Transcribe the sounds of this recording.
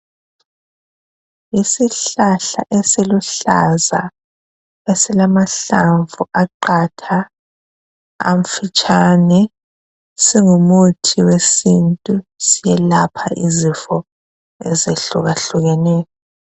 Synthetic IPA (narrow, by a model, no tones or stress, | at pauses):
isiɬaɬa̰ʔesiluɬa̰za̰ | esilamaɬaɱvuʔaǃatʰa | a̰ɱ̩fit͡ʃʼanɛ | siŋumutʰiwesintʼusijɛlapʰaʔizifɔ | ɛzeɬuɣaɬuɣɛnɛːjɔ